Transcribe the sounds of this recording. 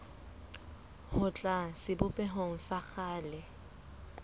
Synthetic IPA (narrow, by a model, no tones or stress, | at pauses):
hʊt͡ɬʼasɪbʊpʼɛɦoŋ̩sak͡xʰaːlɛ